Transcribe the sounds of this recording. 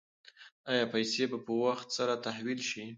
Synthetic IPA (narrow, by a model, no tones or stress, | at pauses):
ajɑpajsebapəwaxt̪saɾat̪ahwilʃi